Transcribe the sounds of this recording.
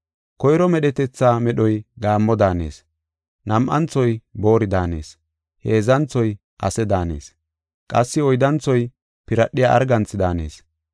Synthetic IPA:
kɔjɾɔmɛɗɛt̪ɛt͡sːaːmɛɗɔjɡaːmːɔd̪aːne̞̰ːs | nɐmʔɐnt͡sːɔjbo̞ːɾɪd̪aːne̞̰ːs | heːzɐnt͡sɔj | ʔɐ̰sɛd̪aːne̞̰ːs | kʼɐsːɪɔjd̪ɐnt͡sɔj | pɪɾɐɗɪjaːʔɐ̰ɾɡɐnt͡sːɪd̪aːne̞ːs

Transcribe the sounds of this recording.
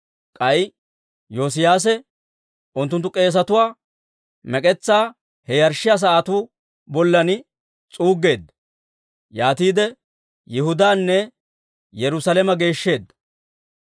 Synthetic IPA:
kʼɐj | joːs̬ɪjaːs̬ɛ | ʔʊnt̪ːʊnt̪ːʊkʼe̞ːs̬ɐt̪ʊwaː | mɛkʼɛt͡sːaː | hɛjɐɾʃːɪjas̬ɐaːt̪uː | bɔlːɐnɪ | t͡sʼuːɡːe̞ːd̪ːɐ̥ | jaːt̪iːd̪ɛ | jɪhʊd̪aːnːɛ | jɛɾʊsɐlɛmɐɡe̞ːʃːe̞ːd̪ːɐ̥

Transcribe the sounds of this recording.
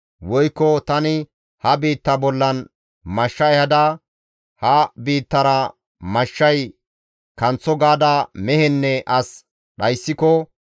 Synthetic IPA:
wɔjkːɔt̪ɐnɪ | hɐbiːt̪ːɐbɔlːɐn | mɐʃːɐjhɐd̪ɐ | hɐbiːt̪ːɐɾɐ | mɐʃːɐj | kɐnt͡sːɔɡaːd̪ɐmɛhɛnːɛʔɐs | ɗɐjsːɪkɔ

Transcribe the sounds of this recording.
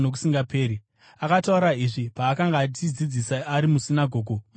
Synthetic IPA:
no̞k̬u̥siŋɡapʰe̞ːɾi | akatauɾaiʐipaːkaŋɡaːt͡ʃid͡zid͡zisaaɾimusinaɡʱo̞ːɡʱo

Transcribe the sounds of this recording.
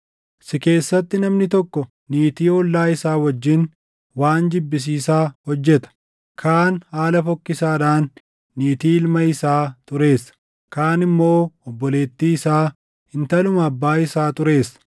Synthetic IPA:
sɪke̞ːsːɐt̪ːɪnɐmnɪt̪ɔkːɔ | niːt̪iːɔlːaːɪsaːwɐd͡ʒːɪn | waːnd͡ʒɪbːɪs̬iːsaːhɔd͡ʒːɛt̪ɐ̥ | kʰaːnhaːlɐfɔkːɪsaːᶑaːnː | iːt̪iːɪlmɐɪsaːt̪ʼʊɾe̞ːsɐ̥ | kaːnɪmːo̞ːɔbːɔle̞ːt̪ːiːɪsaː | hɪnt̪ɐlʊmɐːbːaːɪsaːt̪ʊɾe̞ːsɐ̥

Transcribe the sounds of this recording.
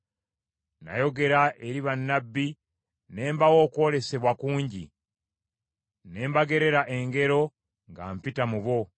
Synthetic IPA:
na̰jo̞ɡe̞ɾaʔeɾiβanːabːi | ne̞ːmbawo̞ːko̞le̞se̞βwakuːɲɟḭ | ne̞ːmbaɡe̞ɾe̞ɾaʔe̞ŋɡe̞ɾo̞ | ŋɡa̰ːmpitamuβo̞

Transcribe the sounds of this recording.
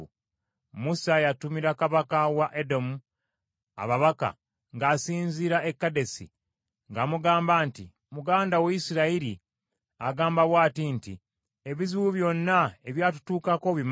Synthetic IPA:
musajatumiɾakaβakawaʔedo̞mu | a̰βaβaka̰ | ŋɡaːsiːnziɾaekːade̞sḭ | ŋɡaːmuɡaːmbaːntḭ | muɡaːndaweisiɾaiɾi | aɡaːmbaβwaːtintḭ | e̞βiziwuβjo̞nːae̞βjaːtu̥tuːkako̞βim

